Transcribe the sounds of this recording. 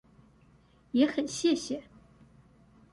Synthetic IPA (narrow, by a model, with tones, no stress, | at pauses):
jɛ˧˥xə˨˩nɕjɛ˥˩ɕjɛ˨˩˦